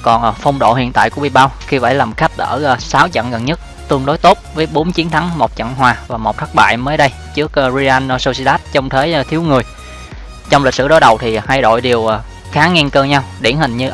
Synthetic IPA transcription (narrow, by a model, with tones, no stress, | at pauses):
kɔ˨˩nː˨˩fə˧wŋ͡mɗo̰˧˨ɦḭ˧˨ənt̪a̰ː˧˨jku˧˩əɓḭ˧˨˩ɓaː˧wxi˧va̰ː˧˥jlaː˨˩mxa˦˥jk̟̚ʔəː˧˩˧saː˨˦wt͡ɕə̰˧˨nɣə˨˩nɲə˦˥t̚ | t̪ɨ˧əŋɗo˨˦jt̪o˦˥t̚vəː˨˦jɓo˨˦nt͡ɕi˨˦ənt̪ʰa˨˦ŋmo˨˩t̚t͡ɕə̰˧˨nɦwaː˨˩vaː˨˩mo˨˩t̚t̪ʰə˦˥k̚ɓa̰ː˧˨jməː˨˦jɗə˧j | t͡ɕɨ˦˥ək̚ːzi˧ʔa˧n˧so˧si˧ɗaː˦˥t̚t͡ɕɔ˧wŋ͡mt̪ʰe˨˦jt̪ʰi˨˦əwŋɨ˨˩əj | t͡ɕɔ˧wŋ͡mli˨˩k̟̚sɨ̰˧˩ɗo˨˦jɗə˨˩wt̪ʰi˨˩ha˧jɗo̰˧˨jɗi˨˩əwʔː | xaː˨˦ŋɛ˧nkəː˧ɲa˧wɗi˧˩ənhï˨˩ŋɲɨ˧